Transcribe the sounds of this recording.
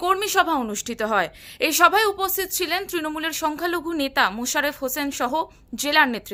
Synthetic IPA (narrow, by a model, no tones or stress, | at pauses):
koɾmiʃɔbʱaonuʃʈʰit̪oɦɔeeʃɔbʱaeupost̪ʰit̪ot͡ɕʰilent̪ɾinomuleɾʃɔŋkʰaloɡʱunet̪amoʃaɾefɦosenʃɔɦo | d͡ʑelaɾnet̪ːɾi